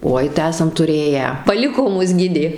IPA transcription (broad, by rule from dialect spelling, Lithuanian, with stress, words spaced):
ˈoːɪ tɐɪ ˈæːsɐm tʊˈrʲeːjæː pɐˈlʲɪkoː ˈmʊs ˈɡʲɪdʲeː